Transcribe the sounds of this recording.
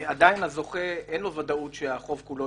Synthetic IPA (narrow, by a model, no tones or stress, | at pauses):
ad̪ainazo̞χeʔenlo̞vadaut̪ʃeaχo̞vkulo